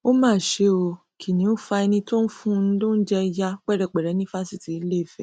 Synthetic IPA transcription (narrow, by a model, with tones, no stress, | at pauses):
o˦mãː˦˨ʃe˧˦o˧ | kʰi˨nĩ˨˦o˦fa˧ɛ˧nĩ˧to˦n̩˦fũ˦˧n̩˦lõ˦n̩˦d͡ʒɛ˦˧ja˧k͡pɛ˦˨ɾɛ˨k͡pɛ˨ɾɛ˨˦nĩ˦fa˦si˦˨ti˨˦le˦˨fɛ˦˨